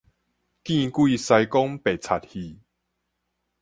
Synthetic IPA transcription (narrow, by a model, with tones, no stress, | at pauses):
kĩ˥˧kwi˥˨sa˧jkɔ˦ŋpe˨˩t͡sʰa˨˩t̚hi˨˩